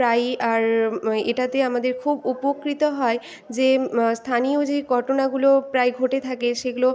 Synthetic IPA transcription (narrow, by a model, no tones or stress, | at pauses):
ɾajaɾeʈat̪eamad̪eɾkʰubupokɾit̪oɦɔe | d͡ʑest̪ʰaniod͡ʑeɡʱɔʈonaɡulopɾajɡʱoʈet̪ʰakeʃeɡulo